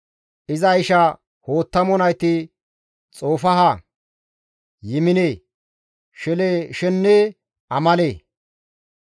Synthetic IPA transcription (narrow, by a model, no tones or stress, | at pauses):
ʔɪzɐɪʃɐ | hoːt̪ːɐmɔnɐjt̪ɪ | t͡sʼo̞ːfɐɦɐ | jɪmɪneː | ʃɛleʃɛnːe | ʔɐmɐleː